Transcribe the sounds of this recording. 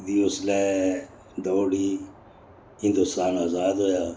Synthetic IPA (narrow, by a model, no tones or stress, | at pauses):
d̪iːʊslɛː | d̪oːɽiː | ɦɪ̃nd̪ʊst̪aːnaːzaːd̪ɦoːjaː